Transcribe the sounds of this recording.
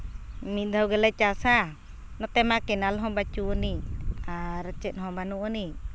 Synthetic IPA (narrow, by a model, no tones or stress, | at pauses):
mid̪ʱawɡelat͡ʃasa | nɔt̪ɛmakɛnalɦɔbat͡ʃuniaɾat͡ʃɛnɦɔbanuʔni